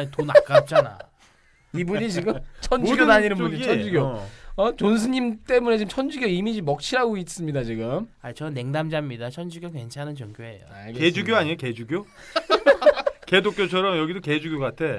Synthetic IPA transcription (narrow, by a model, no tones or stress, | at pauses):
ɲtona̰k͈ap̚t͡ɕ͈ana̰ | ibuɲit͡ɕiɡɯt͡ɕʰʌniɡjonaɲinɯnbud͡ʑʰʌnd͡ʑiɡjoʌt͡ɕons̬ʰɯɲimt͈e̞mune̞t͡ɕiɯmt͡ɕʰʌnd͡ʑiɡjoimid͡ʑimʌk̚t͡ɕʰiɾaɡois͈ɯmɲidat͡ɕiɡɯmait͡ɕʌne̞ŋdamd͡ʑamɲidat͡ɕʰʌnd͡ʑuɡjʌkwe̞nt͡ɕʰanɯnt͡ɕʌŋɡjoe̞̰jo̰aked͡ʑuɡjoaɲioke̞d͡ʑuɡjo | kedok͈jot͡ɕʰʌɾʌmjʌɡidoke̞d͡ʑuɡʲjokatʰe̞